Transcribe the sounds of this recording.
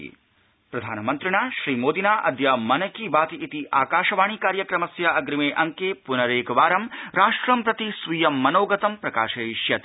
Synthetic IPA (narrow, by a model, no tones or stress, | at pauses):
pɾɐd̪ʱaːnɐmɐnt̪ɾiɳaːʃɾiːmoːd̪inaːʔɐd̪ʱjɐmɐnɐkiʋaːt̪iit̪iʔaːkaːʃɐʋaːɳ̃iːkaːɾjɐkɾɐmɐsjɐɐɡɾimeːʔɐŋkeːpunɐɾeːkɐʋaːɾɐmɾaːʂʈɾɐmpɾɐt̪isʋijɐmːɐnoːɡɐt̪ɐmpɾɐkaːʃɐiʃjɐt̪